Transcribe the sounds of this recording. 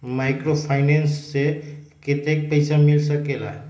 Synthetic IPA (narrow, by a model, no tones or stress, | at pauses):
majkɾopʰaɪnensːekit̪ek̚pəɪsamilsəkela̰ɦ